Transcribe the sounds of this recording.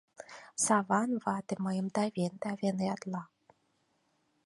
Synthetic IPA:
sɑvɑnvɑt̪ĕməjəmd̪ɑvʲend̪ɑvʲenɑt̪lɑ

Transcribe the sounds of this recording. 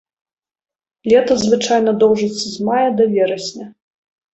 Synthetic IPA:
lʲɛt̪ɐzvɨt͡ʂajnɐd̪ɔwʐɨt̪sːɐzmajɐd̪ɐvʲɛɾɐsʲnʲɐ

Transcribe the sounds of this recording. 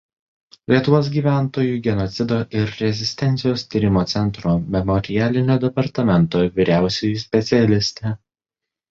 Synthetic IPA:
lʲiɛt̪ʊʋoːs̬ɡʲiːʋʲæˑnt̪oːjuːˑɡʲɛnɔt̪sʲɪd̪oːʔɪɾɾʲɛzʲɪsʲt̪ʲɛnʲt̪sʲɪjoːst̪ʲiːɾʲɪmoːt̪sʲɛnˑt̪ɾoːmʲɛmɔɾʲɪjæːlʲɪnʲoːd̪ʲɛpɐɾt̪ɐmʲɛnt̪oːʋʲiɾʲæˑʊsʲejusʲpʲɛt̪sʲɪɛlʲɪsʲt̪ʲe

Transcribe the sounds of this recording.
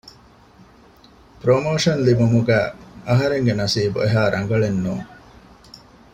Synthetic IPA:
pɾomoːʂɐnlibumuɡæːɐɦɐɾeŋɡenɐsiːbueɦaːɾʔɐŋɡɐɭenːuːŋ

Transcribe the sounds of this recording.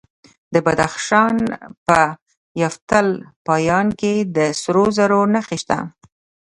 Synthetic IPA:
d̪əbad̪axʃɑnpə | jɑft̪əlpɑjɑnked̪əsɾozaɾonaxiʃt̪a̰

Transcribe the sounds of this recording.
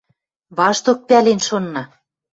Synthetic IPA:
βɑʃt̪ok̚pælenʃonːɑ

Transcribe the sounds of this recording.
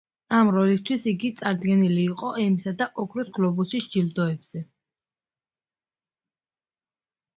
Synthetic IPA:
amɾɔlist̪ʰwisiɡit̪sʼaɾd̪ɡɛniliːqʼɔʔɛmisad̪aʔɔkʰɾusɡlɔbusiʃd͡ʒild̪ɔɛbz̥ɛ

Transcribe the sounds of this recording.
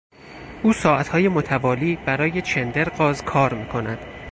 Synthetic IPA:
ʔuːsɒːʔæt̪hɒːje̞mot̪ʰævɒːliːbæɾɒːjet͡ʃʰe̞nd̪eɾɢɒːzkʰɒːɾmiːkʰo̞næd̪̥

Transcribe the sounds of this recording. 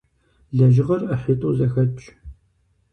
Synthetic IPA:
ɮɐʒɪʁɐrɐħitʼuzɐxɐt͡ʃʼ

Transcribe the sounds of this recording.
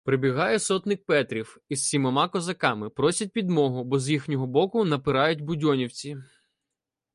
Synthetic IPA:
pɾebʲiɦɑjɛsɔt̪nɪk̚pɛt̪ɾʲiwissʲimɐmɑkɔzɐkɑmɪpɾɔsʲɐt̚ʲpʲid̪mɔɦʊbɔzjixnʲɔɦɔbɔkʊnɐpɪɾɑjʊtʲbʊdʲɔnʲiwt͡sʲi

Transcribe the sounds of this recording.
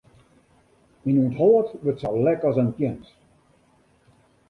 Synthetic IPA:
inunthɔːətʋətsɔwlɛkɔzənpjɛns

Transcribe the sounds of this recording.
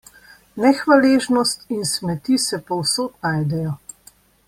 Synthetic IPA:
nɛxʋaleːʒnɔst̪insmɛt̪iːsɛpɔwsoːt̪naːjd̪ɛjɔ

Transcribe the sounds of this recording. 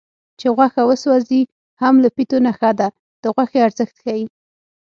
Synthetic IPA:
t͡ʃeɣwaxawəswazi | hamlapit̪onaxad̪a | d̪̥əɣwaxeaɾzəxt̪xaji

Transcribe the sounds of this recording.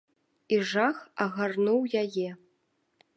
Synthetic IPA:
iʐaxɐɣarnuwjajɛ

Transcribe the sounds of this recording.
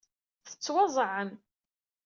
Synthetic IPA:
θə̥t͡sːwɑzˤʕən

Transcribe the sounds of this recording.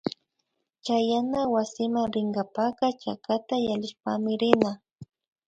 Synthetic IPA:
t͡ʃajanawasɪmaŋɾɪŋɡapakat͡ʃa̰kat̪ajalɪʃpamɪɾɪna

